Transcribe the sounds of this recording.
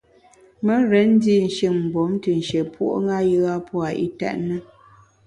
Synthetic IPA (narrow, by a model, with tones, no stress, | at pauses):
mə˦ɾɛ˨˦n̩˦di˦˨n̩˨ʃi˨ŋm̩˨bo˨˦mtə˨n̩˨ʃe˨pwo̰˦ʔo̰˦ŋa˦jə˦ɣa˦pʰɔ˦a˨ʔḭ˦tɛ̰˦ʔnə˦